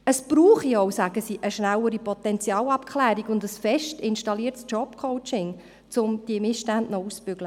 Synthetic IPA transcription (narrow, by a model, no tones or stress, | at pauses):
əsb̥ɾuːχioʊsæɡəsiːʔəʃnæwəɾipʰɔt̪ɛnt͡sjɑːlɑpkʰχlæːɾiɡʊndəsfɛʃtɪnʃtɑliːərtst͡ʃɔpkʰɔʊt͡ʃɪŋ | t͡sʊmd̥iəmɪsʃtændnɔuspʏɡlə